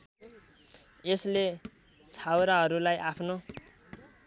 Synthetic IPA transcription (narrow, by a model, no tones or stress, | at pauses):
esle | t͡sʰawɾaɦʌɾulajʔapʰno